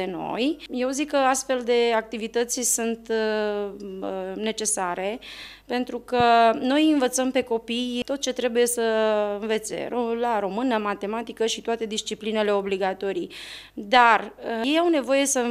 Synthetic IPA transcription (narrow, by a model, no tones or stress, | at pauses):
eno̞̰jje̞wzikːəast̪fe̞ld̪e̞ak̚t̪ivit̪ət̪sʲsunt̪ | ne̞t͡ʃe̞saɾe̞ | pe̞nt̪ɾukəno̞jɨnvət̪səmpe̞ko̞pijt̪o̞t̪̚t͡ʃe̞t̪ɾe̞buje̞səɨnve̞t̪sḛɾolaɾo̞mɨnəmat̪e̞mat̪ikəʃit̪oat̪e̞d̪ist͡ʃipline̞le̞o̞bliɡat̪o̞ɾi | d̪arjejawne̞vo̞je̞sə